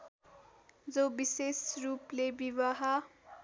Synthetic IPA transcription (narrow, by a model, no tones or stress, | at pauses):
d͡zobisesruplebiβaɦa